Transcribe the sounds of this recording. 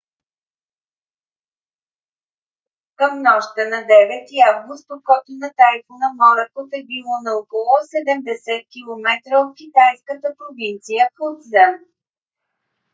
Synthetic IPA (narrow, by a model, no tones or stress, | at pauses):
kəmnɔʃt̪ənɐd̪ɛvɛt̪iavɡʊst̪̚pokɔt̪ʊnɐt̪ajfʊnɐmɔɾɛkofɛbilˠɔnɐokolˠɔsɛd̪ɛmd̪ɛsɛt̪̚kʲilˠomɛt̪ɾəot̪kʲit̪ajskət̪əpɾovint̪sijəxut̪zən